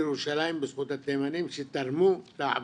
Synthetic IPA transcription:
eɾuʃalajimbesχut̪hat̪emanimʃet̪aɾmulaʕa̰v

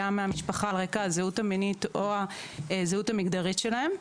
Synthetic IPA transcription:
ameamiʃpaχalʁekaazeuthaminito̞azeutamikd̪aʁitʃe̞lahe̞m

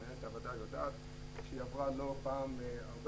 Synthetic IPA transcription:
et̪avad̪ajod̪a̰ːt̪ | ʃejavʁalopaːmaʁb

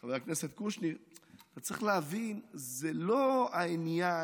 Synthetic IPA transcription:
aveakneset̪̚kuʃnit̪at͡sʁḭχleavinzelo̞ainja

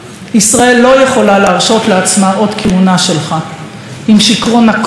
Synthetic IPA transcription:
ʔisʁae̞lːo̞je̞χo̞laleːʁʃo̞t̪leat͡smaʔo̞dkʰeunaʃe̞lχa | ʔimʃikʁo̞nak

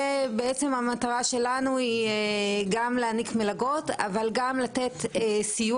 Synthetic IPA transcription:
beet͡se̞mamataʁaʃe̞lanuieɡamleanikmelaɡo̞ta̰valɡamlate̞tesiju

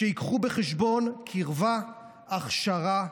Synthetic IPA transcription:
eikχubeχeʃbo̞nkʰiʁva | aχʃaʁa

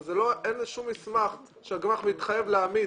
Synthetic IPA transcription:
zeloʔenʃumismaχ | ʃeaɡmaχmit̪χajevleami

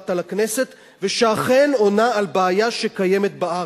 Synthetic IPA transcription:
t̪alakne̞se̞t̪ | veʃaːχeno̞naalbeːjaʃekaje̞met̪̚baʔa

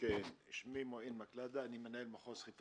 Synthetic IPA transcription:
kenʃmimoenmaklad̪aːnimenaelmaχosχit

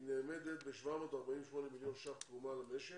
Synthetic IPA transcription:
nemed̪et̪̚beʃvamot̪aɾbaʔiːnweʃmoːnemiljonʃabt̪umalmeʃe

